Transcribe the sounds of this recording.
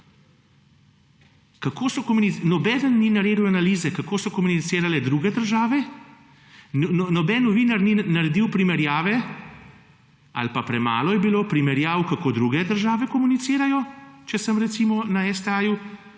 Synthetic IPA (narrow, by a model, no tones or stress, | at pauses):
kakoːsɔkɔmuninɔbɛːd̪ənːinaɾeːd̪uwanaliːzɛkakoːsɔkɔmunit̪seːɾalɛd̪ɾuːɡɛd̪əɾʒaːʋɛ | nnɔbɛnːɔʋiːnaɾninaɾɛd̪iwpɾimɛɾjaːʋɛ | a̰lpapɾɛma̰ːlɔjɛbiloːpɾimɛɾjaːwkakoːd̪ɾuːɡɛd̪əɾʒaːʋɛkɔmunit̪siːɾajɔt͡ʃɛsəmɾɛt̪siːmɔnaɛst̪ɛaju